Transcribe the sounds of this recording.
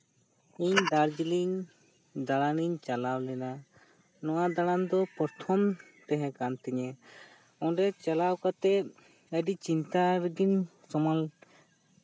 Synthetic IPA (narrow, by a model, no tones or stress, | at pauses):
iɲd̪aɾd͡ʒiliɲ | d̪aɽaniɲt͡ʃalawlɛna | nɔwad̪aɽand̪ɔpɔɾt̪ʰɔmt̪ɛɦɛ̃kant̪ɛɲɛ | ɔ̃ɖɛt͡ʃalawkat̪ɛt̪̚ | əɖit͡ʃint̪aɾəɡin | sɔmal